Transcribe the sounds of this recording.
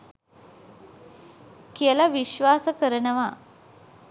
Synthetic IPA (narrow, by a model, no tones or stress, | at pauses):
kielaʋiɕʋasəkəɾəɳəʋa